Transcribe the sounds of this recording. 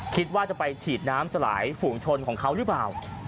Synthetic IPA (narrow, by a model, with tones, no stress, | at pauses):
kʰi˦˥t̪̚waː˥˩t͡ɕa˨˩pa˧jt͡ɕʰiː˨˩t̪̚naː˦˥msa˧la̰ː˩˦jfuː˨˩ŋt͡ɕʰo˧nkʰɔː˩˦ŋkʰa˦˥wɾɯ˦˥plaː˨˩w